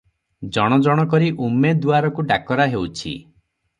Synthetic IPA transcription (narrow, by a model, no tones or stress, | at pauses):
d͡ʒɔɽ̃ɔd͡ʒɔɽ̃ɔkɔɾiʔumed̪uaɾɔkuɖakɔɾaɦewt͡ʃʰḭ